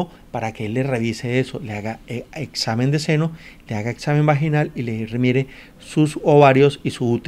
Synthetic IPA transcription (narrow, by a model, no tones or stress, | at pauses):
o | paɾake̞elːe̞re̞βise̞e̞so̞leaɣaeksamend̪e̞se̞no̞le̞aɣaeksame̞mbaxinalileremjeɾe | susoβaɾjo̞sisuut̪